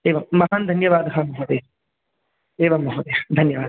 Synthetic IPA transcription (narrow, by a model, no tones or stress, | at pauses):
eːʋɐmːɐɦand̪ʱɐnjɐʋaːd̪ɦamɐɦoːd̪eː | eːʋɐmːɐɦod̪ed̪ʱɐnjɐʋaːd̪